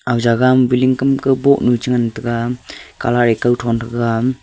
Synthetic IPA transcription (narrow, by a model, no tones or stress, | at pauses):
awzaɡambiliŋkɯmkɯbɔʔ̚nut͡ʃɯŋantɯɡaka̰laɾekawtʰɔntʰɯɡam